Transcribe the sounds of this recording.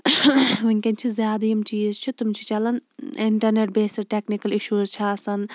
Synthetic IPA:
ʋuŋʲkʲɐnt͡ʃʰizʲjaːd̪ɐjimt͡ʃiːzt͡ʃʰut̪umt͡ʃʰi̥t͡ʃɐlɐnɪɳʈɐɾneʈ̚beːsɐɾʈeːknikɐliʃuːɾzt͡ʃʰaːsɐn

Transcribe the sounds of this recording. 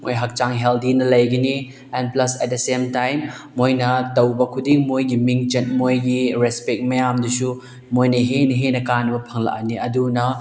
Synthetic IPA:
mo̰jɦɐk̚t͡ʃaŋɦeldinɐlɐjɡɐni | ɛnplɐsɛt̚desemtajmː | ojnɐtɐwbɐkʰudiŋmojɡimiŋt͡ʃɐt̚mojɡiɾespek̚mɐjamdusu | mojnɐɦenɐɦenɐkanːɐbɐpʰɐŋlɐ̰ʔɐ̰niɐdunɐ

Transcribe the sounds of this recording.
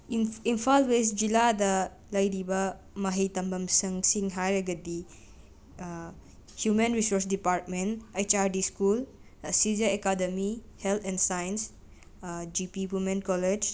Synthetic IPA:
impʰalwes̬d͡ʒiladɐ | lɐjɾibɐ | mɐɦɐjtɐmbɐmsɐŋsiŋɦajɐɡɐdi | hjumenɾisoɾs̬dipaɾt̚menejt͡ʃaɾdiskul | sid͡ʒɐekademihelt̪ʰɛnsajns | d͡ʒipibumenkɔled͡ʒ

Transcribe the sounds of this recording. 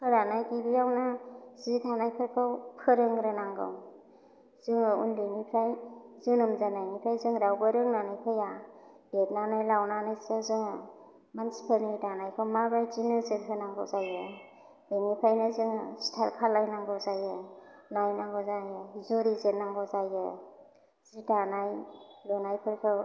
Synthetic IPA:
pʰɯɾanajɡibijawnazitʰanajpʰɯkʰɯwpʰɯɾɯŋɡɾɯnaŋɡɯ̰w | z̥ɯŋɯṵndenipʰɾajzɯnɔmzanajnipʰɾajzɯŋɾawbɯɾɯŋnanajpʰɯja | bet̚nanajlawnanajsiazɯŋ | mansi̥pʰemidanajkʰɯmabazinɯzenkʰɯnaŋɡɔ̰wzajɯ | denipʰɾajnɯzɯŋstʰalkʰalajnaŋɡɯwzajɯnajnaŋɡɔzajɯizuɾizenaŋɡɔzajɯ | z̥idanajlɔnajpʰɯɾkʰɯ

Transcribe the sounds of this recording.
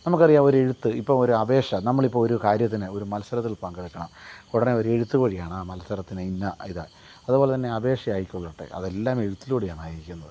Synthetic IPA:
nɐmuk̬ːɐrijːaːo̞ɾe̞ɻut̪ːɨipːoːmoɾuɐbe̞ːʂɐnɐmːɐɭipːoɭoɾukaːɾjɐt̪ːinɨo̞ɾumɐlɐsɐɾɐt̪̬ːilpɐŋɡɐɻikʲːɐɳɐmkuɽɐneo̞ɾue̞ɻut̪ːuɣuːɻijaːɳaːmɐlɐsɐɾɐt̪ːineinːɐiða̰ː | ɐðubo̞ːle̞t̪̬ɐnːe̞ɐbe̞ːʂɐjaːjikʲːoɣɐuʈːḛʔɐ̰ðe̞lːaːme̞ɻut̪ːilkoɽijaːɳaːjiɾikʲːunːɐðɨ

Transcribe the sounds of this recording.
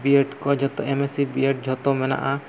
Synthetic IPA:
bieʈkɔd͡ʒʱɔt̪oemesibieʈ̚d͡ʒʱɔt̪omɛna̰ʔa

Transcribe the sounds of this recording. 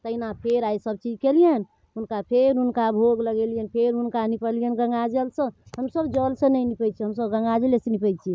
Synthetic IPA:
t̪əinapʰeɾajsəb̚t͡ʃid͡ʒkelijən | unkapʰeɾunkabʱoɡləɡɛlijənpʰeɾunkanipəlijənɡə̃ŋɡad͡ʒelsə̃ɦəmsəbd͡ʒəlsə̃nəjnipət͡ʃʰiɦəmsəbɡə̃ŋɡad͡ʒelesənipəjt͡ʃʰi

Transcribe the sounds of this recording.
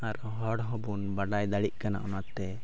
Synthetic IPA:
aɾ | ɦɔɽɦɔ̃bunbaɖajd̪aɽiʔ̚ˀkana̰ʔɔnatt̪ːɛ

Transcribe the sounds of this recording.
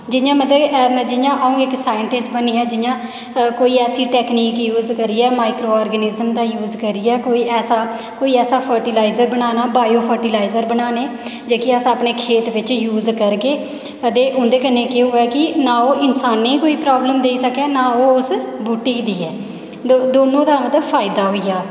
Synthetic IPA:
d͡ʒɪjãːmət̪ləbd͡ʒɪjãːʔaːũːɪksaːjəɳʈɪsʈbənːiːɛːd͡ʒɪjãː | koːiːɛːsiːʈɛːkniːkjuːzkəɾiːɛːmaːɪkɾoːɔːɾɡənɪzəmd̪aːjuːzkəɾiːɛːkoːiːʔɛːsaː | koːiːɛːsaːpʰəɾʈiːlaːɪzəɾbənaːnaːbaːjoːpʰəɾʈilaːɪzəɾbənaːneːd͡ʒeːkiəsãːəpneːkʰeːt̪ʋɪt͡ʃjuːzkəɾkeː | əd̪eːʔʊ̃nd̪eːkənːeːkeːoːɛːkɪnãːoːʔɪnsaːnːeːikoːiːpɾaːbləmd̪eːisəkɛːnãːoːʊsbuːʈiːd̪iːɛː | d̪oːnõːd̪aːmət̪ləbpʰaːɪd̪aːɦoːiːaː

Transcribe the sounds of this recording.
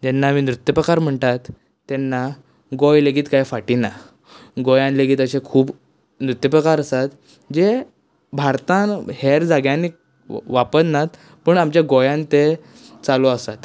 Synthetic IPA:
d͡ʑɛnːamiːnɾut̪jəpɾəkaɾm̤əɳt̪at̪ː | ɛnːa | ɡɔjleɡiːt̪kajfaʈina | ɡɔjãnleɡiːt̪əɕekʰuːb | nɾut̪jəpɾəkaɾəsat̪ | d͡ʑe | bʱaɾt̪ãnheɾd͡zaɡjãni | ʋapənnat̪ | pəɳamt͡ɕjaɡɔjãnt̪e | t͡saloasat̪

